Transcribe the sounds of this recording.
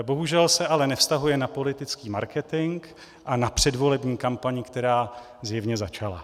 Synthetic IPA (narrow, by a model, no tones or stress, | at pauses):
bo̞ɦuʒɛlsɛʔalɛnɛfst̪aɦujɛnapo̞lɪt̪ɪt͡skiːmaɾkɛt̪ɪŋk | ʔanapr̝̥ɛdvo̞lɛbɲiːkampaɲɪkt̪ɛɾaː | zjɛvɲɛzat͡ʃala̰